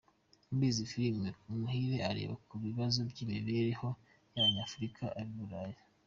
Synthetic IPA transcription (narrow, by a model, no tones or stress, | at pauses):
umbizifilimeumuhiːɾe̞aɾḛβakuβiβazo̞bɟiːmiβeɾeho̞ | jaβaɲaːfuɾikʰaʔaɾiβuɾaːje